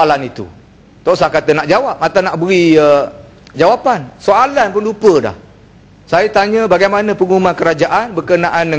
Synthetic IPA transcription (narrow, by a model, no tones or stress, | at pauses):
alanit̪ṵ | t̪ɔʔsakat̪ənaʔd͡ʒawap̚mat̪anaʔbəɾiə | d͡ʒawapansoalanpʊnlupəda̰h | sajət̪aɲə̃baɡajmanə̃pəŋumãnkəɾad͡ʒaʔanbəkənaʔandə